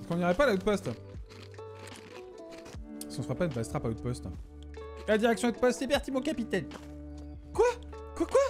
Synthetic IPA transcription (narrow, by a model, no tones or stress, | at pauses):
skɔ̃niʁɛpalaut̪̚pɔst̪ | sɔ̃swapaynpast̪χapaot̪̚pɔst̪ | lad̪iʁɛksjɔ̃ot̪̚pɔst̪ebɛʁt̪imɔ̃kapit̪ɛn | kwa | kwakwa